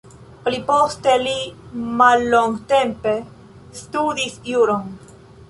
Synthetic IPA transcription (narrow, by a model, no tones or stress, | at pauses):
plipost̪e̞limalːoŋɡt̪empe | st̪ud̪isjuɾon